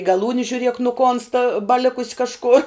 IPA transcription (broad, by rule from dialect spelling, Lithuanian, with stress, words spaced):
ɡɐˈlˠuːnʲɪ ʒʲʊˈrʲiɛk nʊˈkoːnstɐ bɐˈlʲɪkʊs kɐʃˈkoːr